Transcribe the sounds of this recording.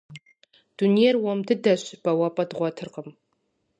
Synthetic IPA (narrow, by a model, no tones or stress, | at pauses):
d̥unijɛrwɔmdɨdɐɕb̥ɐwɐpʼɐdʁʷɔtʰɨrqəm